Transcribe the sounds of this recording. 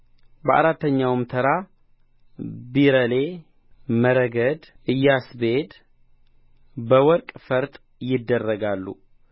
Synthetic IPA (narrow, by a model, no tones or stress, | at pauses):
bəʔa̰ɾat̪ʰːəɲːawmt̪ʰəɾa | biɾəle | məɾəɡəd̪ | ɨjːasbed̪ | bəwɔɾkʼfəɾt̪ʼ | jɪd̪ːərːəɡalːṵ